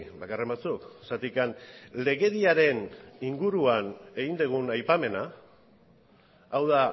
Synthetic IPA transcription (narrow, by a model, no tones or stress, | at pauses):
bakare̞mbat͡suksat̪ikanle̞ɣe̞ðiaɾe̞niŋɡuɾuane̞ɣind̪eɣ̞unajpame̞na | wða